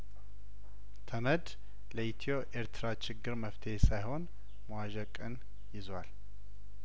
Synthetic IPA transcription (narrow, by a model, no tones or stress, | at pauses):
t̪ʰəməd̪ | ləit̪ʰo̞ʔeɾt̪ʰɨɾat͡ʃɪɡːɨɾməft̪ʰehesajho̞n | məwaʒəkʼːɨn | jɪzwal